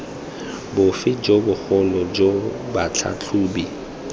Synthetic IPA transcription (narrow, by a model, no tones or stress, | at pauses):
bʊfɪd͡ʒobʊk͡xʊlɔd͡ʒobat͡ɬʰa̰t͡ɬʰuːbi